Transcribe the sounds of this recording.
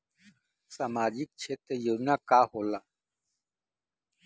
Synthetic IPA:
samaːd͡ʒik̚t͡ʃʰet̪ejonakaːhoːla

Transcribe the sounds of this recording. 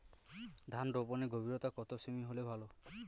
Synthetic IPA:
d̪ʱanɾopɔneɡobʱiɾɔt̪akɔt̪osemiɦolebʱalɔ

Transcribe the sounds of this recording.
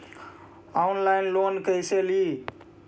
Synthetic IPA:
aunlajnlonkəjseli

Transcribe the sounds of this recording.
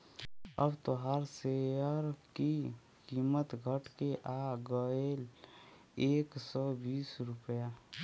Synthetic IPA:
ə̰bt̪oɦaɾseəɾki | kiːmət̪ɡʱəʈkeʔaɡəel | eːksɔbiːsɾʊpja

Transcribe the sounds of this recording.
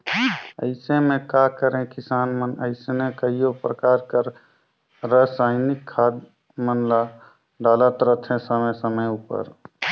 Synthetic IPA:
əɪsemẽkakəɾẽkisaːnmənəɪsenekəɦijopɾəkaːɾkəɾ | ɾəsaːɪnikʰːad̪ | mənla | ɖaːlət̪ɾət̪ʰẽsəməsəməjupə̰ɾ

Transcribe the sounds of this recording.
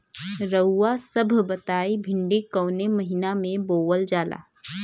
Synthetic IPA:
ɾəːasɐbʱbɐt̪aːibʱɪ̃ɳɖikɐːnemɐɦinamẽboːwəld͡ʒaːlʔa̰ː

